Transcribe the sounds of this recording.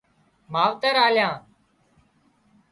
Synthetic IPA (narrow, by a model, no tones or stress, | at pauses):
maːʋt̪əɾaːljãː